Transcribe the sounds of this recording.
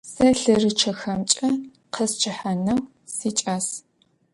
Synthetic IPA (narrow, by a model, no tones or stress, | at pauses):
sɐɬɐrɨt͡ʃʰɐxɐmt͡ʃʼɐ | qʰəst͡ʃʰɐħanɐw | siːt͡ʃʼaːs